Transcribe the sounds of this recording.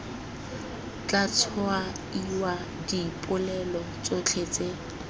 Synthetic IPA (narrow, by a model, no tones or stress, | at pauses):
t͡ɬʼat͡sʰɔa | iwa | dipʼʊlɛlɔ | t͡sʼot͡ɬʰet͡sʼe